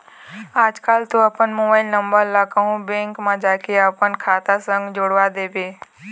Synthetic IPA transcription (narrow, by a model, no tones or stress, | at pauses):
aːd͡ʒkaːlt̪oəpənmobaːɪlnəmbəɾlakəɦũbẽːŋkmãd͡ʒaːkʰeapənkʰaːt̪asə̃ŋɡd͡ʒoɽʋad̪eːbeː